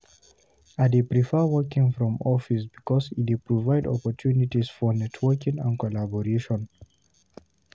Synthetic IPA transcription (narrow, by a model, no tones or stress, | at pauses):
adepɹifɛwɜkĩŋfɹɔ̃mɔfisbikɔsḭtipɹɔvaɪdɔ̰pɔtʰjunitisfɔnɛtʰwəkĩŋə̰̃nkɔlabɔɹeʃɔ̃n